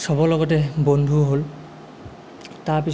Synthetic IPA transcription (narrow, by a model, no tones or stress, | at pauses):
sɔbɔlɔɡɔtɛbondʱuɦol | taɹpi